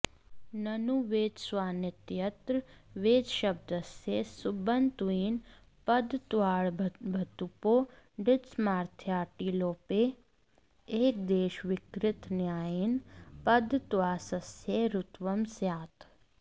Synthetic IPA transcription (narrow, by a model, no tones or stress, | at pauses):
nɐnuʋeːd͡ʒ̪sʋaːnɪt̪jɐt̪ɾʋeːd͡ʒʃɐb̚d̪əsjeːsʊbənt̪uiːn | pɐd̪t̪ʋaːɭbʱɐt̪upoː | ɖɪsmaːɾt̪ʰjaːʈiːloːpeː | eːk̚d̪eːʃʋɪkɾɪt̪njaːjinpɐd̪t̪ʋaːsəsjeɾʊt̪ʋɐmsjaːt̪ʰ